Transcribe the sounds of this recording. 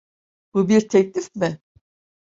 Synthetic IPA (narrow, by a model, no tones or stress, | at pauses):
b̥ubiɾt̪ʰɛclʲifmɪ